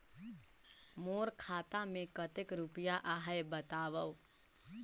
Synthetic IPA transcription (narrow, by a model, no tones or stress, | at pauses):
moːɾkʰaːt̪ãmẽkət̪ɪkɾʊpijaʔaːɦaebət̪aːʋəʋ